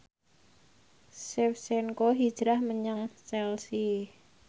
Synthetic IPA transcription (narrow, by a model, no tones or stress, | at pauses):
sɪfsɛnkoɦid̥ʒ̥ɾahməɲəŋsɛlsi